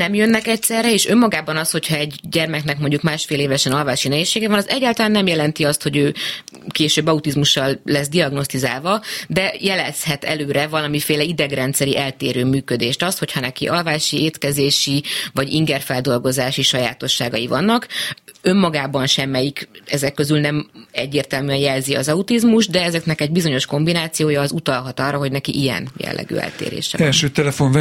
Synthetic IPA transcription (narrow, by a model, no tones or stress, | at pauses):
nɛmjønːɛkɛcsɛrːɛeːʃømːɒɡaːbɒnɒsho̞cʰhɒɛɟɟɛrmɛknɛkmo̞ɲɟukmaːʃfeːleːvɛʃɛnɒlvaːʃinɛɦeːʃːeːɡɛvɒnɒzɛɟːaːlt̪ɒlaːnːɛmjɛlɛnt̪iɒst̪ho̞ɟøːkeːʃøːbːɒut̪izmuʃːɒlːɛsd̪iɒɡno̞st̪izaːlvɒd̪ɛjɛlɛshɛt̪ɛ̰løːɾɛvɒlɒmifeːlɛid̪ɛɡrɛnt̪sɛɾiʔɛlt̪eːɾøːmyːkø̞d̪eːʃt̪ɒst̪ho̞cʰhɒnɛkḭʔɒlvaːʃieːt̪kɛzeːʃivɒɟiŋɡɛrfɛld̪o̞lɡozaːʃiʃɒja̰ːt̪o̞ʃːaːɡɒjivɒnːɒkø̞mːɒɡaːbɒnʃɛmːɛjikɛzɛkːø̞zylnɛmɛɟːeːrt̪ɛlmyɛnjɛlziɒ̰zɒut̪izmuʒd̪ɛɛzɛknɛkɛɟ̚bizo̞ɲo̞ʃko̞mbinaːt̪sijoːjɒːzut̪ɒlɦɒt̪ɒrːɒɦo̞ɟnɛkḭʔijɛ̰njɛ̰lːɛ̰ɡø̰ːɛ̰lt̪ḛːɾḛːʃɛ̰ɛlʃøːt̪ɛlɛfoɱv